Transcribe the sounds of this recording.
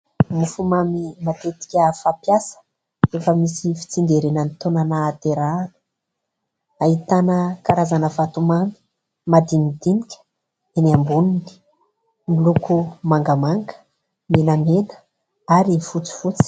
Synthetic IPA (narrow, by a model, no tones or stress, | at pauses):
mufumamimat̪et̪i̥kʲəfapjasə̥ | efəmisifi̥t͡siŋɡ̪eɾenənit̪onanaːt̪eɾanə̥ | aɦit̪anəkaɾazanəvat̪umami̥ | mad̪imid̪inikʲə̥ | eniambunini̥ | milukumaŋɡəamaŋɡə̥ | minamenə̥ | aɾifut͡si̥fut͡si̥